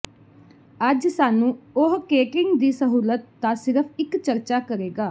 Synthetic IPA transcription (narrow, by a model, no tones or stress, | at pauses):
əd͡ʒsaːnũːʊɦkeːkɪŋɡd̪iːsəɦuːlət̪ːasɪɾəpʰɪkt͡ʃəɾt͡ʃaːkəɾeːɡaː